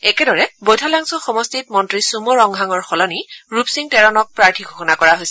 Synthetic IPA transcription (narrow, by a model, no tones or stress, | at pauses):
ɛkɛdɔɹɛbojtʰalaŋsɔxɔmɔstit̚mɔntɹisumɔɹɔŋɡʱaŋɔɹxɔlɔniɹupsiŋtɛɹɔnɔk̚pɹaɹtʰiɡʱoxɔnakɔɹaɦojsɛ